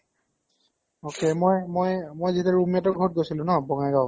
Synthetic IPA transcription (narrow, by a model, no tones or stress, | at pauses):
okemojmojmojzitɛɹumijatɔɡʱɔt̚ɡojsilʊ̃nɔbɔŋajɡaw